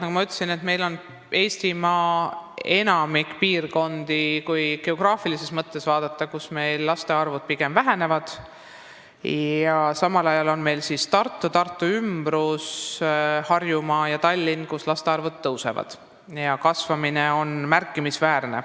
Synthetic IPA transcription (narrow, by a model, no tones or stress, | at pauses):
nɑkumɑyt̪ˑːesine̞t̪me̞jlo̞n | e̞ːst̪imɑːe̞nɑmikːpiːrko̞nd̪̥ikujɡ̥e̞o̞ɡ̥rɑːfilise̞smɤt̪ːe̞svɑːd̪̥ɑt̪ːˑɑkusme̞jlːɑst̪e̞ɑrvud̪̥̚piɡ̥e̞mvæɦe̞ne̞vɑd̪̥ | jɑsɑmɑlɑjɑlo̞nme̞jlsist̪ɑrt̪ːˑut̪ɑrt̪ːˑuymbɾus | hɑrjumɑjɑt̪ɑlʲːinkuslɑst̪e̞ɑrvud̪ːɤwse̞̰vɑ̰d̪̥ | jɑkɑsvɑmineo̞nmærkːˑimisvæːrne̞̰